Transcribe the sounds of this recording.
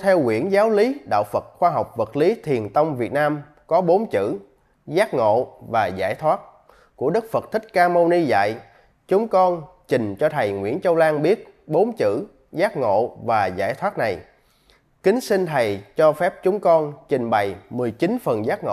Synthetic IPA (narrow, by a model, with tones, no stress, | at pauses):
t̪ʰɛ˧wŋwḭ˧˩ənzaː˨˦wli˨˦ɗa̰ː˧˨wfə˨˩t̚xwaː˧ɦa˨˩wk͡p̚və˨˩t̚li˨˦t̪ʰi˨˩ənt̪ə˧wŋ͡mvi˨˩ət̚naː˧m | kɔ˨˦ɓo˨˦nt͡ɕɨ̰˧˥ | zaː˦˥t̚ŋo̰˧˨vaː˨˩za̰ː˧˩jt̪ʰwaː˦˥t̚ | ku˧˩əɗɨ˦˥k̚fə˨˩t̚t̪ʰï˦˥k̟̚kaː˧mo˧ni˧za̰ː˧˨j | t͡ɕʊ˨˦ŋ͡mkɔ˧nt͡ɕï˨˩ŋ̟t͡ɕɔ˧t̪ʰə˨˩jŋwḭ˧˥ənt͡ɕə˧wlaː˧ŋɓi˦˥ət̚ | ɓo˨˦nt͡ɕɨ̰˧˥ | zaː˦˥t̚ŋo̰˧˨vaː˨˩za̰ː˧˩jt̪ʰwaː˦˥t̚na˨˩j | kï˨˦ŋ̟sï˧ŋ̟t̪ʰə˨˩jt͡ɕɔ˧fɛ˦˥p̚t͡ɕʊ˨˦ŋ͡mkɔ˧nt͡ɕï˨˩ŋ̟ɓa˨˩jmɨ˨˩əjt͡ɕi˨˦nfə˨˩nzaː˦˥t̚ŋo̰˧˨